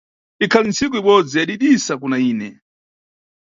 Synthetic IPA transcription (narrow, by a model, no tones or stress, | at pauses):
ikʰalint͡sikuiɓɔd͡zijaɗiɗisak̬unaiːnɛ̰